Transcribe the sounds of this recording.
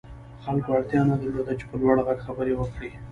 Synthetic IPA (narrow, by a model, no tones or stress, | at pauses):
xalkoaɽt̪jɑnad̪əlod̪at͡ʃe̥pəlwɑɽaɣaɡxabəɾewəkɽi